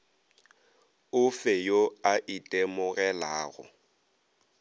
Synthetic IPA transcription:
ʊfejoaʔitʼemʊɣɛlaːɣʊ̰

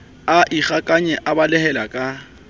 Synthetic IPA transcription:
aʔiχakʼaɲɛʔabalɛhɛlakʼa

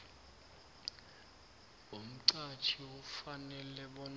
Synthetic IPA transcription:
um̩ǀat͡ʃʰiufanɛlɛɓɔn

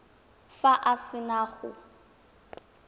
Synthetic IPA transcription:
faʔasɪnaːɣʊ̰

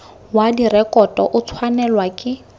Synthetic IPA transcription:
wadirɛkʼɔtʼɔ̰ʔʊt͡sʰwanɛlwakʼɪ

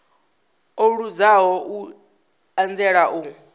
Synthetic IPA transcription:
oɺud͡zaɦɔʔu | and͡zɛɺaʔu

